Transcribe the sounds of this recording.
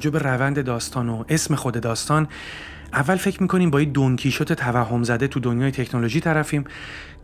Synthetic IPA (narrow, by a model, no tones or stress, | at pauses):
d͡ʒobe̞ɾævænd̪e̞d̪ɒːst̪ʰɒːnoe̞sme̞xo̞d̪e̞d̪ɒːst̪ɒːn | ʔævːælfe̞cʰɾmiːkʰo̞niːmbɒːjid̪oŋcʰiːʃot̪ʰe̞t̪ʰævæɦːo̞mzæd̪e̞t̪ʰud̪onjɒːjet̪ʰe̞cʰnolo̞ʒiːt̪ʰæɾæfiːm